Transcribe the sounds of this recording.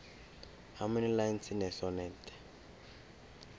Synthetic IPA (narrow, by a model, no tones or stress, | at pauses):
haminilant͡sinɛsɔnɛntʰʼɛ̥